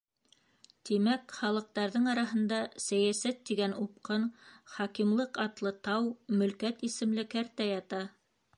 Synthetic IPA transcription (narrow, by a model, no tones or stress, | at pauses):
t̪imækχɑlˠɤ̆q̚t̪ɑɾðɤɴɑɾɑɦɤ̆nd̪ɑsæjæsæt̪ːiɡænup̚qɤnχɑkimlˠɤqɑt̪lˠɤt̪ɑwmɵ̆lkæt̪isɘ̆mlɘkæɾt̪æjɑt̪ɑ